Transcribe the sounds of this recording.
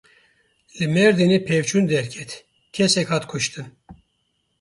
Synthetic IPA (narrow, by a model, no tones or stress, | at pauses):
lɨmɛɾd̪inipʰɛvt͡ʃʰund̪ɛɾkʲʰɛt̪ | kʲʰɛsɛkʲhat̪kʰuʃt̪ʰɨn